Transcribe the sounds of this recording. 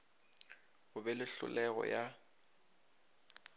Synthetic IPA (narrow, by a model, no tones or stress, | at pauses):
ɣʊbɛlɪɬʊ̰lɛɣɔ̰ja